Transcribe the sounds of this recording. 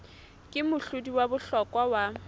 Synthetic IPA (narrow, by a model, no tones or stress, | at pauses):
kʼɪmʊɬʊdiwabʊɬɔkʼwawa